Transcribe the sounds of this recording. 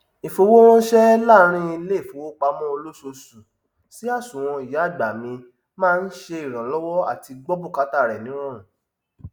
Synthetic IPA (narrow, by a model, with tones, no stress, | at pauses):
i˨fo˧wo˦wɔ̃˦ʃɛ˦la˦˧ɾ̃ĩ˦i˧le˦˨fo˨wo˦k͡pa˧˦mɔ̃˦o˧lo˦so˧su˨ | si˨˦a˦˨sũ˨w̃ɔ̃˧i˨ja˨˦˨ɡ͡ba˨mĩ˧ | mãː˦˧n̩˦ʃe˧i˨ɾ̃ã˨lɔ˦wɔ˦a̰˦˨ti˧ɡ͡bɔ˦bu˦˨ka˦ta˦˨ɾɛ˨nĩ˨˦ɾ̃ɔ̃˦˨